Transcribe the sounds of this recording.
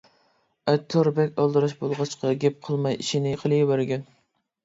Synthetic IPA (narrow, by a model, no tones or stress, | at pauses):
ɛt̪ʰːoɾbɛkʲɑlˠd̪ɨɾɑʃbolˠʁɑt͡ʃqʰɑɡʲɛp̚qʰəlˠmɑjiʃinɪqʰəlˠɨbæɾɡʲɛn